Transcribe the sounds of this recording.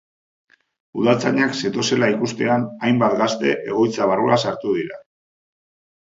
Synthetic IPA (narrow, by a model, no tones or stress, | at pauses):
uð̞at͡saɲakse̞t̪o̞se̞laikust̪e̞anajmbat̪ɡast̪e̞̰ʔe̞ɣ̞o̞jt͡saβ̞aruasaɾt̪uðiɾa̰